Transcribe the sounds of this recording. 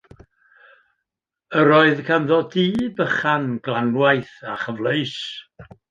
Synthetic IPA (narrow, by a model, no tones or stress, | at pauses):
əɾɔːɨðkʰanðɔdiːbəχanɡlˠanwajθaχəvlˠəjs